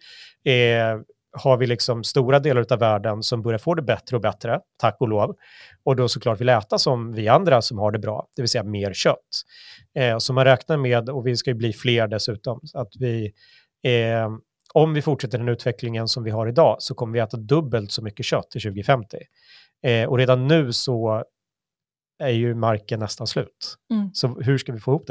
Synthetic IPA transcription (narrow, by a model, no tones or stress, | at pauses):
haɾvɪlɪksɔmst̪uːɾad̪eːlaɾʉ̟ːt̪avːæːɖənsɔmbœɾjaɾfoːd̪ɛbɛt̪ɾəɔbɛt̪ɾət̪ʰakːvʊloːv | ɔd̪ɔsɔkʰlɑːʈvɪlɛːt̪asɔmvɪand̪ɾasɔmhaɖɛbɾɑ̰ːd̪̥ɛvɪlsɛjːameːɾɕœt̪ː | sɔmanɾɛːknaɾmeːd̪ɔvɪskajɵbliːfleːɾɖɛsʉ̟ːt̪ɔmat̪vɪ | ɔmvɪfʊʈʂɛt̪ːəɖɛnʉ̟ːt̪vɛklɪŋənsɔmvɪɦaɾɪd̪ɑːsɔkʰɔmːəɾvɪɛːt̪ad̪ɵbːəlt̪sɔmʏkːəɕœt̪ʰːɪɕʉ̟ːɡɪfɛmt̪ʰɪ | ɔɾeːd̪anːʉ̟ːsɔ | æɾjɵmaɾkənːɛst̪anslʉ̟ːt̪sɔɦɵ̟ʂkavɪfoːɪhuːpd̪ɛ